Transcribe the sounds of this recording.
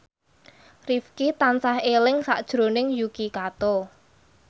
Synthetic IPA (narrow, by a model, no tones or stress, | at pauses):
rifkit̪ant͡ʃahelɪŋsa̰ʔd̥ʒ̥ɾonɪŋjukikat̪o